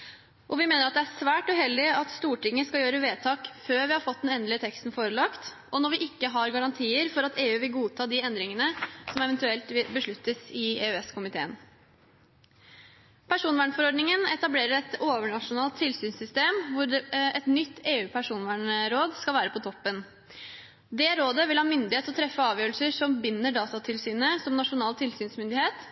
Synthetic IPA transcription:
ʔɔʋɪmeːnəɾɑt̪̚d̪ɛææʂʋæːʈʉɦɛld̪ɪɑt̪st̪uːʈɪŋːəskɑljøːɾəʋeːt̪ʰɑːkføːɾʋɪhɑɾfɔt̪d̪ɛnɛnd̪lɪət̪ʰɛkst̪n̩foːɾəlɑkt̪ | ʔɔnɔɾʋɪʔɪkːəɦɑɾɡɑɾɑnt̪ʰiːəɾfɔɾɑt̪eːʉːʋɪlɡuːt̪ʰɑːd̪ɪɛnd̪ɾɪŋənəsɔmɛʋɛnt̪ʉɛlt̪ʋɪbəʂɭʉt̪ːəsɪḛːøɛskʊmɪt̪eːən | pʰæʂuːnʋæːɳfɔɾɔɖnɪŋənɛt̪ɑbleːɾəɾɛt̪oːʋəɳɑʂʊnɑːlt̪ʰːɪlsyːnsʏst̪eːmʋʊɛt̪nʏt̪ːeːʉːpʰæʂuːnʋæːɳəɾoːd̪skɑlʋæːɾəpɔt̪ʰɔpːən | d̪ɛɾoːd̪əʋɪlhɑmʏnd̪ɪheːt̪ɔt̪ʰɾɛfːəɑːʋjøːɾəl̩səʂɔmbɪnːəɖɑːt̪ɑt̪ʰɪlsyːnəsɔmnɑʂʊnɑːlt̪ʰɪlsyːnsmʏnd̪ɪheːt̪

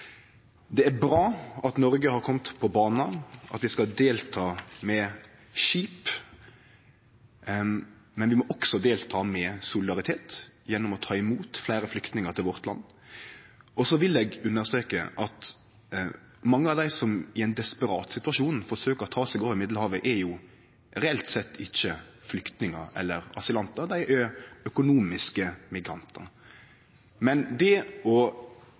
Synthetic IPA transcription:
d̪ɛæɾbɾɑːɑt̪nɔɾɡəhɑɾkʰɔmt̪pʰɔbɑːnɑʔɑ̰t̪ʋɪskɑd̪eːlt̪ʰɑːmɛ | ʃiːp | mɛnʋɪmɔʔɔksɔd̪eːlt̪ʰɑːmɛsʊlɪd̪ɑɾɪt̪ʰeːt̪jɛnːɔmɔt̪ʰɑːɪmuːt̪flæɪɾəflʏkt̪nɪŋəɾt̪ʰɪlʋɔɾt̪lɑ̰nː | ɔsɔʋɪlɛːɡʉnːəʁst̪ɾeːkə̰ʔɑt̪ | mɑŋːəɑʋd̪æɪsɔmɪɛɪnd̪ɛspəɾɑːt̪sɪt̪ʉɑʂuːnfɔʂøːkəʁɔt̪ʰɑːsɛɡɑːʋɪmɪd̪lhɑːʋəʔɛɾjʊ | ɾɛɛlt̪sɛt̪ʰːɪçːəflʏkt̪nɪŋəɾɛ̰lːəɾɑsɪlɑnt̪əɾd̪æɪʔɛœkʊnuːmɪskəmɪɡɾɑnt̪ʰə̰ɾ | mɛnd̪ɛɔ

